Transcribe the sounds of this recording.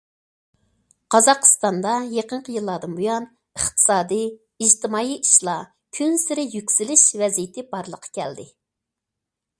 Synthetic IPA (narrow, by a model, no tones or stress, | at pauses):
qʰɑzɑqə̥st̪ɑnd̪ɑjeqəɴqʰəjilˠːɑd̪ɨnbujɑn | əχt̪ʰɨ̥sɑːd̪ɨ | id͡ʒt̪ɪmɑːiʔiʃlˠɑ | kʲʰynsɪɾɪjykʲsilɪʃvɛzijɪt̪ʰɪbɑɾlˠəqʰɑ̥kʲʰɛ̰ld̪ɪ